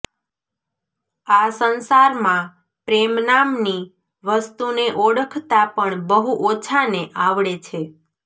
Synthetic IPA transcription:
asənsaɾmã | pɾemnamni | ʋəst̪uneʔoɽəkʰt̪apəɳbəɦuʔot͡ʃʰaneʔaʋɭet͡ʃʰe

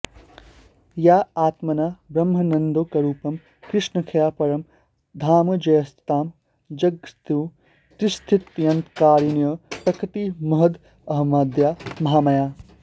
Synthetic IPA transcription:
jaːaːt̪mɐnaːbɾɐmɦɐnɐnd̪oːkɐɾuːpɐm | kɾɪʂnɐkʰɐjaːpɐɾɐm | d̪ʱaːmɐd͡ʒɐjɐst̪aːm | d͡ʒɐɡst̪iw | t̪ɾist̪ʰit̪jɐnt̪kaːɾinjɐpɾɐkit̪imɐɦɐd̪ | ɐɦmaːd̪jaːmɐɦaːmɐjaː

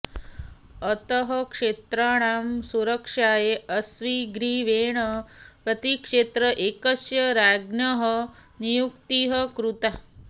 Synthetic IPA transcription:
ɐt̪ɐɦɐkʂeːt̪ɾaːɽ̃aːmsuɾɐkʂaːjeɐsʋiɡɾiʋeːɳɐpɾɐt̪ikʂeːt̪ɾɐʔeːkɐsjɐɾaːɡnjɐɦɐnijukt̪iɦɐkɾut̪a

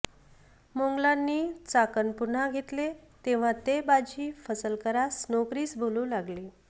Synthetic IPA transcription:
moŋɡlanːiːt͡sakənpuɾn̤aɡʱet̪let̪eʋ̤ãt̪ebad͡ʑʱiːfəsəlkəɾasnokɾiːsbʱoluːlaɡliː

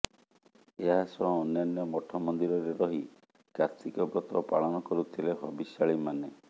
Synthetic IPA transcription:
eɦasɔ̃ːnːanjɔmɔʈʰɔmɔnd̪iɾɔɾeɾɔɦi | kaɾt̪ikɔbɾɔt̪ɾɔpaɭɔnɔkɔɾut̪ʰileɦɔbisaɭimane

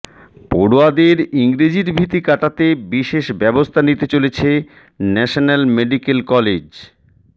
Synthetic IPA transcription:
poɽoad̪eɾiŋɾid͡ʑiɾbʱit̪ikaʈat̪ebiʃeʃbɛbost̪ʰanit̪et͡ɕolet͡ɕʰe | nɛʃonalmeɖikelkɔled͡ʑ

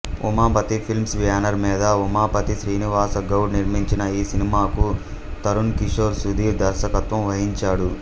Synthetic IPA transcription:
umaːpɐt̪ipʰilmsʋijaːnɐɾmiːd̪ɐumaːpɐt̪isɾiːniʋaːsɐɡɐwɖniɾmiɲt͡ʃinɐiːsinimaːku | t̪ɐɾunkiʂoːɾsud̪ʱiːɾd̪ɐɾʃɐkɐt̪ʋɐmʋɐɦiɲt͡ʃaːɽu

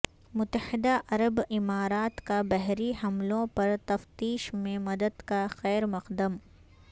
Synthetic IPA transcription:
mʊt̪ːəhɪd̪aʔɐɾəbɪmaːɾaːt̪kabɛɦɾiɦɐmlõpɐɾt̪ɐft̪iːʃmẽmɐd̪əd̪kaxɛːɾmɐqd̪əm

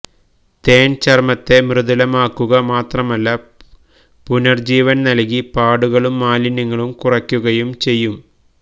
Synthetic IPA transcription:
t̪e̞ːnt͡ɕɐrmɐt̪ːe̞mrɨðɐlɐmaːkːuɣɐmaːt̪rɐmɐlːɐ | punɐrd͡ʑiːʋɐnnɐlk̬ipaːɽuɣɐɭumːaːlinɐŋːɐɭumkurɐkʲːuɣɐjumt͡ɕe̞jːum

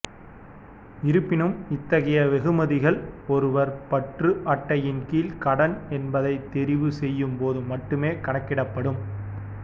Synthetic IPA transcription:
ɪɾɯpːɪnɯmɪt̪ːɐɣɐjɐʋɛɣɯmɐðɪɣɐɭɔɾɯʋɐɾpɐʈrɯʔɐʈːɐjɪnkiːlkɐɽɐnɛnbɐðɐɪt̪ːɛɾɪʋɯsɛjːɯmpoːðɯmɐʈːɯmeːkɐɳɐkːɪɽɐpːɐɽɯm

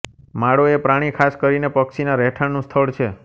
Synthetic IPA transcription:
maɽoepɾaɽ̃ikʰaskəɾinepəksinaɾɛʈʰanũst̪ʰəɭt͡ʃʰe

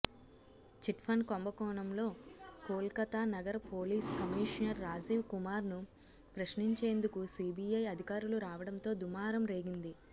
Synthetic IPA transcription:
t͡ʃiʈpʰɐnkombɐkɔːɳɐmlo̞ːpoːlkɐt̪aːnɐɡɐɾɐpo̞ːliːskɐmiːʂnɐɾːaːd͡ʒiːʋkumaːɾnu | pɾɐʃniɲt͡ʃe̞ːnd̪ukusiːbiːɐjɐd̪ʱikaːɾuluɾaːʋɐɽɐnt̪o̞ːd̪umaːɾɐmɾe̞ːɡind̪i

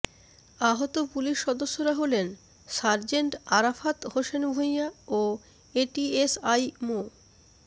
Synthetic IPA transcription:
aɦot̪opuliʃːɔd̪oʃːoɾaɦolen | saɾd͡ʑeɳʈaɾafat̪hoʃenbʱojao | eʈiesajmo

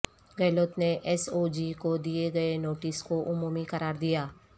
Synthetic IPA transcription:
ɡɛːloːt̪neʔɛsoːd͡ʒikod̪ijeɡɐenoːʈɪskoʔʊmuːmikɐɾaːɾd̪ijaː

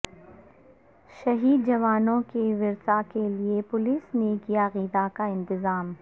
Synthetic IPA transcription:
ʃɐɦiːd̪̚d͡ʒɐʋaːnõkeʋɪɾsakeliepʊlisnekijaɣiːd̪akaɪ̃nt̪ɪzaːm

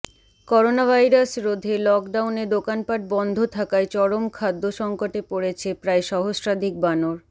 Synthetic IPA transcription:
kɔɾonabʱajɾasɾod̪ʱelɔkɖawned̪okanpaʈ̚bɔnd̪ʱot̪ʰakaet͡ɕɔɾomkʰad̪ːoʃɔŋkoʈepoɽet͡ɕʰepɾaeʃɔɦosɾad̪ʱik̚banoɾ

